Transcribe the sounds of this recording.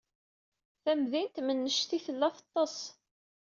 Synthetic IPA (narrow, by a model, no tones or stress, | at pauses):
θæmðint̪mənːəʃθiθəlːæfɑ̥t̪ˤːɑs